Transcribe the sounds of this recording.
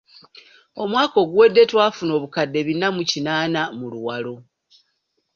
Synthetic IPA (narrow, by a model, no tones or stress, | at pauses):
o̞mwaːko̞ːɡuwe̞dːe̞twaːfuno̞ːβukadːe̞βinːamucinaːnamuluwalo̞